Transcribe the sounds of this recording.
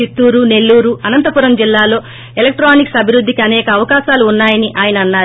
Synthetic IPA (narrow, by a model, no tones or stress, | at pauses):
it̪ːuːɾune̞lːuːɾuɐnɐnt̪ɐpuɾɐmd͡ʒilːaːlo̞ː | elek̚ʈɾaːniksɐbʱiɾud̪ːikiɐnɛːkɐːʋɐkaːʃaːluːnːaːjɐniʔaːjɐnɐɐnːaːɾ